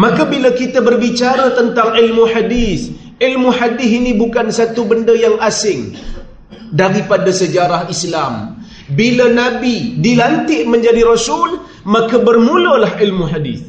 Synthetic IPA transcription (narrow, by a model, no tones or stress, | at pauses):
mãkabilakit̪abərbit͡ʃaɾat̪ənt̪aŋilmuħadiθ | ʔilmuħadɪθinĩbukansat̪ubəndəjaŋʔasɪŋ | daɾipadasəd͡ʒaɾahislam | bilanabidilant̪ɪʔmə̃ɲd͡ʒadiɾɔsul | mãkabərmulolaɦilmuħadḭθ